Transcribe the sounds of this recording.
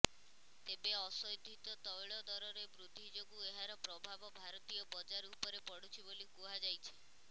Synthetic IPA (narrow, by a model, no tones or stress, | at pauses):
t̪ebeɔsɔjd̪ʱːit̪ɔt̪ɔjɭɔd̪ɔɾɔɾebɾud̪ʱːid͡ʒoɡueɦaɾɔpɾɔbʱabɔbʱaɾɔt̪ijɔbɔd͡ʒaɾupɔɾepɔɽ̤ut͡ʃʰibolikuɦad͡ʒajt͡ʃʰi̥